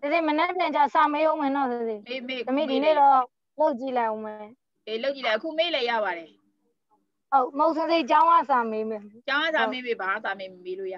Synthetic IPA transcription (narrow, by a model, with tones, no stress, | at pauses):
se˨ze˦˨mə˨nɛ˦ʔpjã˨t͡ɕa˨sa˨me˦ʔõ˦ʊ̃mɛ̃˨nɔ˦˨sze˨˦˨d̪ə˨mḭ˦˨di˨nḛ˦˨dɔ˦ | lo˦ʊʔ̚t͡ɕi˦˨lã˨ʔo˦mɛɛ˨ | e˨lo˦ʊʔt͡ɕi˦˨lã˨əkṵ˦˨me˦˨lɛ˨ja̰˦˨βa˨dɛ˨ | ho˦ʊʔmo˨ʔsɪ̃˦ze˦˨t͡ɕã˦ʊ̃ʔa̰˦˨sa˨me˦mɛ̃˨t͡ɕã˦ŋã˦˨sa˨me˦be˨bã˨a˦˨sa˨me˦˨m˨me˦lo̰˦˨ja̰˦˨